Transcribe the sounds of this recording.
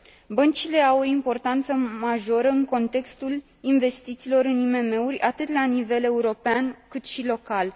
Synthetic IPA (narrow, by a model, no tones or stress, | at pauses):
bənt͡ʃile̞awoimpo̞rt̪ant̪səmaʒo̞ɾəɨŋko̞nt̪e̞kst̪ul | inve̞st̪it̪siːlo̞ɾɨnime̞me̞urʲat̪ɨt̪lanive̞le̞uɾo̞peankɨt̪ʃilo̞kal